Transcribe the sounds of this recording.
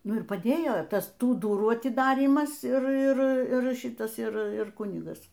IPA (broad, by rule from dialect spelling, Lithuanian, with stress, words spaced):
ˈnʊ ɪr pɐˈdʲeːjoː ˈtɐs ˈtuː ˈdʊruː ɐtʲɪˈdɑːrʲiːmɐs ˈɪr ˈɪr ˈɪr ˈʃʲɪtɐs ˈɪr ˈɪr ˈkʊnʲɪɡɐs